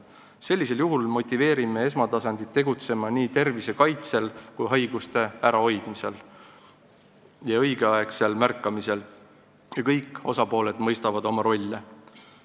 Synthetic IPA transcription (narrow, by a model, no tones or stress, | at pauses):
se̞lʲːise̞ljuɦulmo̞t̪ʲːˑive̞ːɾime̞e̞s̬mɑt̪ɑsɑnd̪̥it̪ːe̞ɡut̪se̞mɑniːt̪e̞rvise̞kɑjt̪se̞lkujɦɑjɡ̥ust̪e̞æɾɑo̞jd̪̥mise̞̰l | jɑɤjɡ̥eɑe̞kse̞lmærkːˑɑmise̞l | jɑkɤjkːˑo̞sɑpo̞ːle̞d̪mɤjst̪ɑvɑd̪o̞mɑɾo̞lʲːe